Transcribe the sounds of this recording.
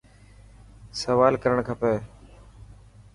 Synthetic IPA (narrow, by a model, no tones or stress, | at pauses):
səʋaːlkəɾəɳ̃kʰəpeː